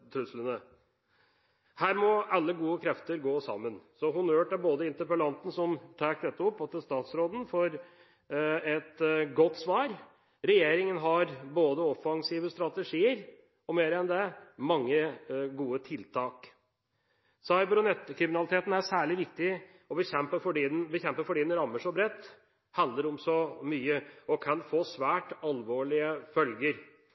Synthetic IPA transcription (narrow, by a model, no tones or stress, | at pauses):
t̪ʰɾʉslənə | hæːɾmɔɑlːəɡuːəkʰɾɛft̪əɾɡoːsɑ̰mːənsɔɦʊnøːʈæɾboːd̪əɪnt̪əɾpəlɑnt̪n̩sɔmt̪ʰæːk̚d̪ɛt̪ːəɔpːɑt̪̚d̪ɛst̪ɑːt̪sɾoːd̪n̩fɔɾ | ɛt̪ɡɔt̪ːsʋɑːɾ | ɾɛjeːɾɪŋənɦɑɾboːd̪əɔfɑŋsiːʋəst̪ɾɑt̪əʂiːəɾ | ɔmeːɾəɛnd̪ɛmɑŋːəɡuːət̪ʰɪlt̪ʰɑːk | sɑɪbɾʊnɛt̪ːkʰɾɪmɪnɑlɪt̪ʰeːt̪n̩æsæːɭɪʋɪk̚t̪ɪ | ɔbəçɛmpəfɔɖiːd̪nbəçɛmpəfɔɖiːd̪ɛnɾɑmːəʂɔbɾɛt̪ː | hɑnd̪əɾʊmsɔmyːəɔkʰɑnfoːsʋæːʈɑlʋoːɭɪəfœlɡəɾ